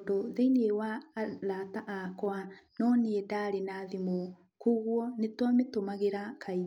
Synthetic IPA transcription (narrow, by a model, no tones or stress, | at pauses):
doðeinewalataʔakwanɔneedaɾenaðimo | kuɣwɔnetwametomaɣeɾakʰai